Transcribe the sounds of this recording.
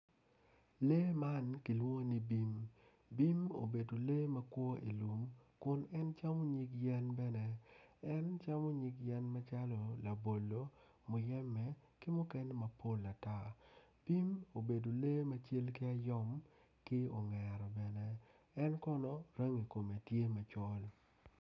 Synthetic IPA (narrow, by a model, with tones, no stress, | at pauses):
le˦ma˦nki˨lwo˦ni˦bi˦m | bi˦mo̰˨be˨do˨le˦mɐ˦kwɔ˦ḭ˨lu˨mkʊ˦nɛ˦nt͡ʃa˦mo˦ɲi˦kjɛ˦nbɛ˦nɛ˦ɛ˦nt͡ʃa˦mɔ˦ɲi˦kjɛ˦nma˦t͡ʃa˦lɔ˨la˨bo˨lːo˨˦ | mʊ˨jɛ˦mɛ˨ | kɪ˦mʊ˦kɛ˦nɛ˦ma˨pʰo˦la˨ta˦˨ | b̥i˦mo˨be˨do˨le˦ma˦t͡ʃe˦lkɪ˦a˦jɔ˦m | kɪ˦o˨ŋɛ˨ɾɔ˨bɛ˨nɛ˦ | ɛ˦nkɔ˦nɔ˦ɾa˦ŋi˨ko˨me˨tje˦ma˨t͡ʃɔ˦l